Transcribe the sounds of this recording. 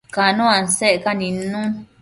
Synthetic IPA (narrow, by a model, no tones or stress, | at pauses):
kanũanseʔekanĩnũ